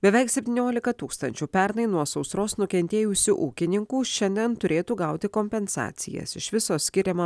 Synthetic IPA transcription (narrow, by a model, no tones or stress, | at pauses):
bʲɛʋʲɛɪksʲɛpʲt̪ʲiːnʲoːlʲɪkɐt̪uːkst̪ɐnʲt͡ʃʲuːpʲɛɾnɐɪnuɔsɒʊsɾoːsnʊkʲɛnʲt̪ʲeːjʊsʲʊʔuːkʲɪnʲɪŋkuːʃʲɛnʲd̪ʲɛnt̪ʊɾʲeːt̪uːɡɐˑʊt̪ʲɪkoːmʲpʲɛnsɑ̰ːt̪sʲɪ̰jɛ̰sɪʃʋʲɪsoːsʲkʲɪɾʲɛmɐ